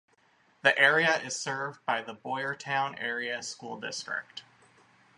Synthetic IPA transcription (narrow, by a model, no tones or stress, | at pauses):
ðiʔɛɹiɨʔɪz̥sɜ˞vbaɪðəbɔɪə˞tʰãʊ̃nɛɹiɨskulˠdɪstɹ̥ɪ̰k̚t